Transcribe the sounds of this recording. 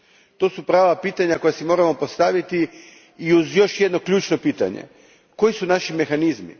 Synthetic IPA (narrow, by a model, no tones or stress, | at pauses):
t̪o̞ːsupɾaːʋapiːt̪aɲako̞jasimo̞ːɾamo̞po̞st̪aʋit̪i | iuzjo̞ʃje̞d̪no̞klʎuːt͡ʃno̞piːt̪a̰ɲḛ | ko̞jisunaʃime̞xanizmḭ